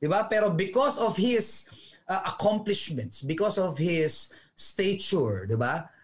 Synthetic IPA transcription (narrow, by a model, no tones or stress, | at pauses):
d̪ɪbapɛɾobɪkɔsɔfhɪsʔʔɐkʰɔ̃mplɪʃmɛ̃nt̪sbɪkɔsɔvhɪsːt̪et͡ʃuɹd̪ɪba